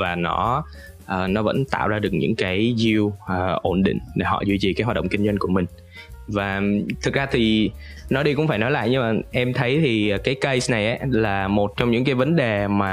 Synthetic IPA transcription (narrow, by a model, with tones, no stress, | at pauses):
vaː˨˩nɔ˨˦ | ʔəː˨˩nɔ˨˦və̰˧˥nt̪a̰ː˧˨wzaː˧ɗɨ˨˩ək̚ɲɨ̰˧˥ŋkaː˨˦jzi˧wəː˨˩ʔo˧˩nɗḭ̈˧˨ŋ̟ɗe˧˩ɦɔ̰˧˨zwi˧t͡ɕi˨˩ka˨˦hwaː˨˩ɗə̰˧˨ŋ͡mkï˧ŋzwa˧jŋ̟ku˧˩əmï˨˩ŋ̟ | vaː˨˩t̪ʰɨ˨˩k̚zaː˧t̪ʰi˨˩ | nɔ˨˦ɗi˧kʊ̰˧˥ŋ͡mfaː˧˩jnɔ˨˦la̰ː˧˨jɲɨ˧ŋmaː˨˩ʔɛ˧mt̪ʰə˨˦jt̪ʰi˨˩˨kaː˨˦jkə˧jsna˨˩jʔaː˨˦laː˨˩mo˨˩t̚t͡ɕɔ˧wŋ͡mɲɨ̰˧˥ŋkaː˨˦jvə˨˦nɗe˨˩maː˨˩